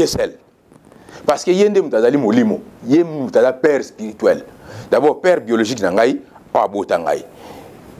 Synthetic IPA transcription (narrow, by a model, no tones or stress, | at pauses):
esɛl | paskejendemutazalimolimojemutazapɛɾspiɾitɛldabɔpɛɾboloʒiknaŋɡaj | ɔa̰ɓotaŋɡa̰i